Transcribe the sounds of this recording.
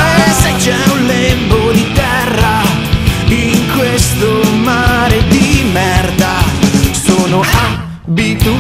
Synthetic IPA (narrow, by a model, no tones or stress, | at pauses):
set͡ʃɛunlɛmbod̪it̪ɛrːa | iŋkwest̪omaɾed̪imɛrd̪asoːnoa | bit̪u